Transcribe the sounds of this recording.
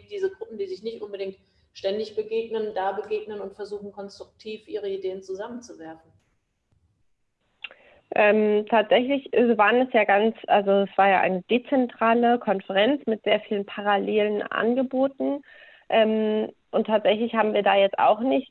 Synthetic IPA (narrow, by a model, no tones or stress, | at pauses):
d̥iːzəɡʁʊpm̩diːzɪçnɪçtʔʊnbədɪŋt | ʃtɛndɪçb̥əɡeːɡnəndaːbəɡeːɡnənʊntfɛɐzuːxn̩kʰɔnstʁ̥ʊk̚tʰiːfʔiːʁəideːənt͡suzamənt͡suvɛɐfn̩ | ʔɛmtʰaːtz̥ɛçlɪçvɐvaːʁənɛsjaːɡant͡sʔa̰lzoɛsv̥aːɐjaːʔa̰ɪnəd̥eːt͡sɛntʁ̥aːləkʰɔnfəʁɛnt͡smɪtz̥eːɐfiːlənpʰaʁ̞aleːlənʔa̰nɡəboːtn̩ | ʔɛːmʔʊntʰːaːtz̥ɛçlɪçhaːbm̩viːɐdaːjɛt͡sta̰ʊxnɪçt